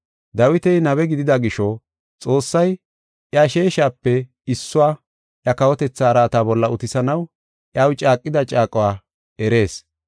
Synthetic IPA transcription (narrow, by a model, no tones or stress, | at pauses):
d̪ɐwɪt̪ɛjnɐbɛɡɪd̪ɪd̪ɐɡɪʃɔ | t͡sʼo̞ːsːɐj | ʔjɐʃe̞ːʃaːpːɛ | ɪsːʊwaː | ʔjɐkɐwɔt̪ɛt͡sːaːɾaːt̪aːbɔlːɐʊt̪ɪsɐnɐw | ʔjawt͡ʃʼaːkʼːɪd̪ɐt͡ʃʼaːkʼɔwaː | ɛɾe̞ːs